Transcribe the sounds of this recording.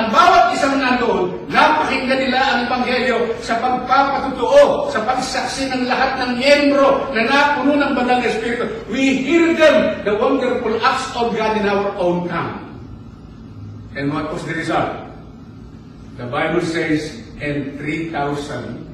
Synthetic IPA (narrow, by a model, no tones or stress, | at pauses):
ʔɐŋbaːwat̪̚ɪsaŋnanoʔod̪ | napakɪŋɡ̪anɪlaʔɐŋɛbaŋɦɛljo̞sɐpɐɡ̚papat̪ʊt̪ʊʔosɐpɐɡ̚saksɪnɐŋlɐɦat̪̚nɐŋmjɛmbɾonɐnapʊnonɐŋbɐnd̪alŋɐɛspiɾɪt̪owihiɾɡ̪ɛnd̪ɐwand̪ɛɾpulʔak̚sovɡad̪ɪnawɐt̪̚ʔownt̪am | ʔɛ̃nd̪wat̪̚wɔsd̪ɐɾɪsalt̪̚ | d̪ɐbajbɪlsɛjsʔɛ̃nθɾit̪awsã̰nd̪